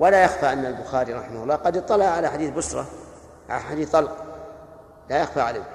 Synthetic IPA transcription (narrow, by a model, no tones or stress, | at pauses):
walajaxfaʔanːalbʊxaːɾiɾˤɑħɪmahʊlˤːɑːqɑd̪jɨt̪ˤːɑlɑʔʕalaħad̪iːθbʊsɾˤɑ̰ | ʕa̰aħad̪iːθɑlq | lajaxfaʕala